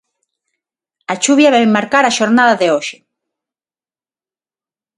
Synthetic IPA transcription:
at͡ʃuβjɐβɛmaɾkaɾaʃoɾnaðɐðɪoʃɪ

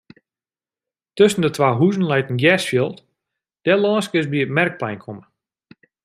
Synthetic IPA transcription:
tøsən̩dətwaːɦuzn̩lɛjtn̩ɡjɛsfjəlˠt | d̥ɛlˠɔːnskɪsbiətmɛrk̚plɛjnkʰomə

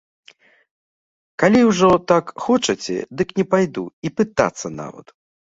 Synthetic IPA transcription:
kalʲiwʐɔt̪akxɔt͡ʂɐt͡sʲɛ̰d̪ɨknʲɛpajd̪uipɨt̪a̰t̪sːɐna̰vɐ̰d̪

